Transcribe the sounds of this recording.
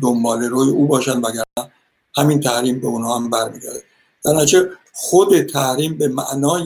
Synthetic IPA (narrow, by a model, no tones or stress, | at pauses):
d̪ombɒːleɾoːjeʔuːbɒːʃænd̪væɡæɾnæ | hæmint̪ʰæhɾiːmbeunhɒːhæmbæɾmiːɡæɾd̪e | d̪æɾnæt͡ʃʰe | xod̪et̪ʰæhɾiːmbemæ̰ʔnɒːj